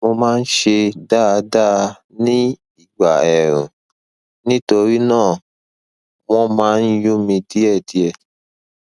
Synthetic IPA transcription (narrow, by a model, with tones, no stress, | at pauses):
mo˧mãː˦˧n̩˦ʃe˧da˦˨˧da˦˧ | nĩ˦ | i˦˨ɡ͡ba˨ɛ˨ɾ̃ṵ̃˨ | nĩ˦to˧ɾi˦nãː˦˨ | w̃ɔ̃˦mãː˦n̩˦ju˦mĩ˧ti˦ɛ˦˨ti˧ɛ˧